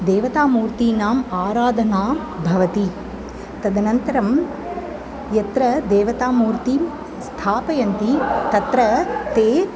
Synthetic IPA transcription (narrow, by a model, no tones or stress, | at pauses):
d̪eːʋɐt̪aːmuːɾt̪inaːmaːɾaːd̪ʱɐnaː | bʱɐʋɐt̪i | t̪ɐd̪ʱɐnɐnt̪ɐɾɐm | jɐt̪ɾɐd̪eːʋɐt̪aːmuːɾt̪i | st̪ʰaːpɐjɐnt̪it̪ɐt̪ɾɐt̪eː